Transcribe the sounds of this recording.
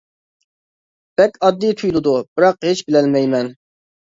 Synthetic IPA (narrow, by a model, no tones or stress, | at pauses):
b̥ɛkʲɑd̪ːit̪ʰujlˠɨd̪ub̥ɨɾɑqhet͡ʃbɪlɛlmɛjmɛn